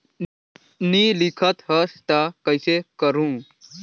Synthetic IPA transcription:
nilikʰət̪ɦəst̪akəjsekəɾũ

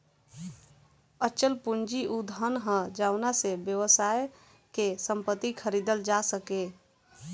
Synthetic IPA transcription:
ət͡ʃəlpund͡ʒiʔud̪ʱənɦə̃d͡ʒaʊnasebjəwəsaj | kesəmpət̪ːikʰəɾid̪əld͡ʒasəke

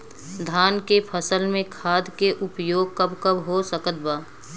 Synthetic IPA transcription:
d̪ʱaːnkepʰəsəlmẽkʰaːd̪ʱkeʔʊpjoːɡ̚kəbkəbɦosəkət̪̚baː

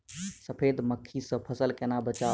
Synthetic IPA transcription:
səpʰeːd̪məkʰːisə̃pʰəsəlkenabət͡ʃaː

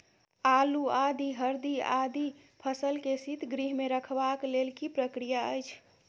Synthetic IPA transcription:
aluad̪ʱiɦəɾd̪ia̰d̪ʱi | pʰəsəlkesit̪ʰɡɾiɦmeɾəkʰbaklelkipɾəkɾijaəjt͡ʃʰ

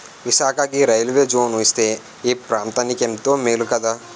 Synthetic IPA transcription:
ʋɪsaːkakiɾɐjlʋed͡ʒoːnost̪e | epɾaːmt̪anikemt̪omɪlkɐd̪a

